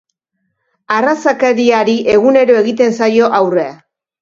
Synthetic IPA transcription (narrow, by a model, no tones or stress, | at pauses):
arasakeɾiaɾiʔe̞ɣune̞ɾo̞e̞ɣit̪e̞nsajo̞ʔawre̞a̰